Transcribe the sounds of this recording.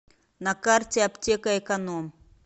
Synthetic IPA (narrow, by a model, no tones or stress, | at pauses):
nɐkartʲeɐptʲekɐɛkɐnom